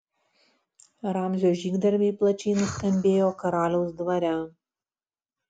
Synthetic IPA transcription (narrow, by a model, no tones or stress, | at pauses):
ɾɑːmʲzʲoːʒʲiːɡd̪ɐɾʲmʲiːplˠɐt͡ʃʲɛːnʊsʲkʲɛmʲbʲeːjoːkɐɾɑːlʲɛʊsd̪ʋɐɾʲæ